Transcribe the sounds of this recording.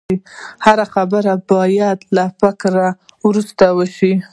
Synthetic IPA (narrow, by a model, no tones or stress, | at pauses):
ihaɾaxabəɾabɑjad̪lafɪkɾa | wɾust̪awəʃi